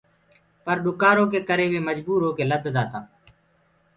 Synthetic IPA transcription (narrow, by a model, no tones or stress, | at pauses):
pəɾɗʊkaːɾõːkeːkəɾeːʋeːməd͡ʒbuːɾõːkeːləd̪ʱd̪aːt̪ãː